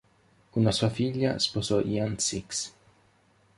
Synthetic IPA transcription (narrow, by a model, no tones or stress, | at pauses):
unasuafiʎːa̰spɔsɔʔiant̪siks